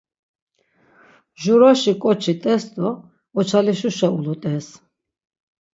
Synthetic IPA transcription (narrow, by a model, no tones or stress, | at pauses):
ʒuɾaʃikʼɔt͡ʃʰit̪ʼɛsd̪ɔ | ɔt͡ʃʰaliʃuʃaulut̪ʼɛs